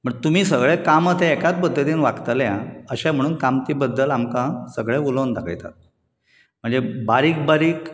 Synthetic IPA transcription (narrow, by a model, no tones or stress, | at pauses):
m̤əɳt̪um̤iːsəɡɭekamət̪ʰẽːkat͡s̪̚pəd̪ʱːət̪iːnʋakt̪əljãəɕãm̤əɽ̃uːnkamt̪iːbəd̪ːəlamkãsəɡɭeulownd̪akʰə̰jt̪a̰t̪̚ | m̤əɳd͡zebaɾiːk̚baɾiːk